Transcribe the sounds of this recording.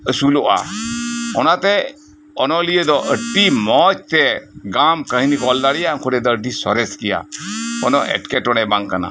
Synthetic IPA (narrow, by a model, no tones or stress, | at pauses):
əsulɔʔa̰ | ɔnat̪ɛ | ɔnɔlijəd̪ɔʔəʈimɔt͡ʃ̚t̪ɛɡamkəɦinikɔldaɽijaŋkʰɔɖɛd̪ɔəɖisɔɾɛskija̰ɔnɔʔɛ̰ʈkɛʈɔɽ̃ɛbaŋkana̰